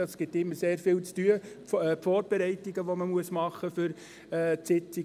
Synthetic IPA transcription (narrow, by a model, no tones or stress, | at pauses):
ɑsɡ̥ɪtːɪmːəseːɾfɪːlt͡styə | pfoːɾb̥ɛɾɛɪtːiɡəʋoməmuəsmɑχəfʏɾ | ɛːt͡sɪt͡si